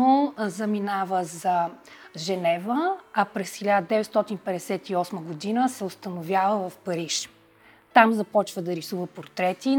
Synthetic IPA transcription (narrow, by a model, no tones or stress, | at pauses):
ozɐminavəzɐʒɛnɛvəɐpɾɛsxʲilʲad̪əd̪ɛvɛt̪st̪ɔt̪inpɛd̪ɛsɛt̪iɔsməɡod̪inəsɛost̪ənovʲjavəvɐfpɐɾiʃ | t̪amzɐpɔt͡ʃvəd̪ɐɾisuvəpoɾt̪ɾɛt̪i